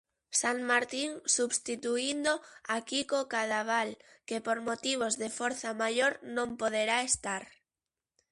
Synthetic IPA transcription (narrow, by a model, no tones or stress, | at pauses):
saŋmaɾt̪iŋsuβst̪it̪uind̪oakikokaðaβ̞al | kepoɾmot̪iβ̞ozðefoɾθamaʎoɾnõmpoð̞eɾaest̪aɾ